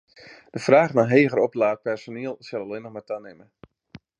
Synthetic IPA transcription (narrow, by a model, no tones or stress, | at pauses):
d̥əfraːχnaɦeːɣəɾɔplaːt̚pɛrsoniəlˠsɛlˠɔlenɔxmatanɪmə